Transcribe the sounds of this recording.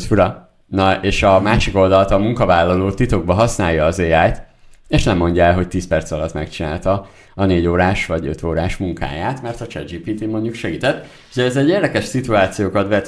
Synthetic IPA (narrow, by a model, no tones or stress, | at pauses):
uɾɒ | nɒeːʃɒmaːʃiko̞ld̪ɒlt̪ɒmuŋkɒvaːlːɒloːt̪it̪o̞ɡ̚bɒɦɒsnaːjːɒːzeːaːjt̪ | eːʃnɛmo̞ɲɟɒɛlɦo̞c̚t̪iːspɛrt̪sɒlɒt̪mɛ̰kt͡ʃina̰ːlt̪ɒ | ɒneːɟoːɾaːʃʋɒɟø̞̰t̪ʰoːɾaːʃmuŋka̰ːjaːt̪mɛrt̪ɒt͡ʃɛ̰d͡ʒiːpiːt̪imo̞ɲɟukʃɛɡiːt̪ɛt̪ː | uɟɛːzɛɟeːrd̪ɛkɛʃsit̪uaːt̪sijoːkɒt̪vɛt̪